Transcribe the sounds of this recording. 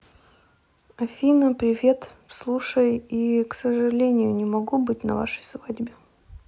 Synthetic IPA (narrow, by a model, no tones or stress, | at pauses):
ɐfʲinəpɾʲɪvʲe̞t̪slˠuʂəjiksəʐɨlʲenʲɪjʊnʲɪmɐɡubɨtʲnɐ̰va̰ʂəjsvadʲbʲɪ